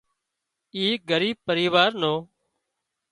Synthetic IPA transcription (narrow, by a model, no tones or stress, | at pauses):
iːɡəɾiːb̚pəɾiːʋaːɾnoː